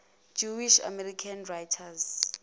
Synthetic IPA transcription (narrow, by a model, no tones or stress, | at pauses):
d͡ʒuwiʃa̰mɛrikʰanrajtʰaz